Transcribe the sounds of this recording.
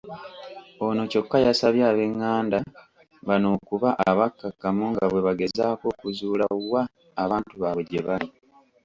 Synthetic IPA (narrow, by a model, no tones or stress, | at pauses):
o̞no̞co̞kːajasaβjaːβe̞ŋːaːnda | βano̞ːkuβaʔaβakːakːamuŋɡaβwe̞βaɡe̞zaːko̞ːkuzuːlawaː | βaːntuβaβeɟeβali